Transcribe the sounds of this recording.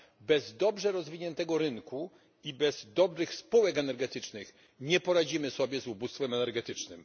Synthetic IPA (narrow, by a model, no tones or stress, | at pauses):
bɛzd̪ɔbʐɛɾɔzvʲiɲɛnt̪ɛɡɔɾɘŋku | ibɛz̥d̪ɔbɾɘxspuwɛkɛnɛɾɡɛt̪ɘt͡ʂnɘx | ɲɛpɔɾad͡ʑimɘsɔbʲjɛzubust̪fɛmɛnɛɾɡɛt̪ɘt͡ʂnɘm